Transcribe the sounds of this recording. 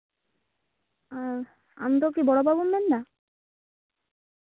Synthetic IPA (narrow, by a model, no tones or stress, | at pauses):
a | a̰mt̪okibɔɽobʱabumːɛnːa